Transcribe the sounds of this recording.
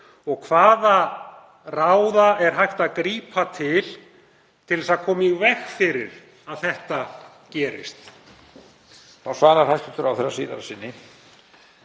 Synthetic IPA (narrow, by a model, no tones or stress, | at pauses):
ɔɣkʰvaːða | rawðaʔɛɾ̥ɦajht̪aðkɾiːpʰat̪ʰɪl | t̪ʰɪlɛsaðkʰɔːmiɣvɛxfɪɾɪ̰ɾ̥ | aðθɛht̪a | cɛːɾɪ̰st̪ | θawsvaːɾaɾ̥hajht̪ʏ̥t̪ʏɾawθɛrːasḭːða̰ɾasɪnːɪ